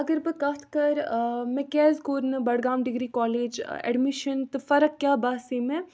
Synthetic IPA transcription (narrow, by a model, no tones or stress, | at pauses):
ɐɡəɾbɨkɐt̪ʰkɐɾmɛ̃kɛːzkoːɾnɨbɐɽɡaːmɖɪɡɾiːkɔːleːd͡ʒ̰ɛ̰ɖmiʃənt̪ɨfɐɾək̚kːjaːbaːseːmẽ